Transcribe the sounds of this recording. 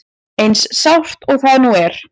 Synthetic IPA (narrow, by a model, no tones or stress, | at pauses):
ejnsːawr̥t̪ɔɣθaðnuɛɾ̥